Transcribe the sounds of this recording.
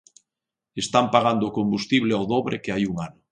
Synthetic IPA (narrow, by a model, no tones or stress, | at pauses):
est̪ampaɣand̪oːkombust̪iβleoðoβɾekeajuŋanʊ